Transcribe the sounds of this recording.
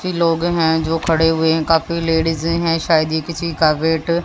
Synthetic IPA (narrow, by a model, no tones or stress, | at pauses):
iloːɡɦɛ̃d͡ʒoːkʰɐɽeɦʊeɦɛ̃kaːfileːɽɪzɦɛ̃ːʃaːjəd̪ikɪt͡ʃʰikaːʋeːʈ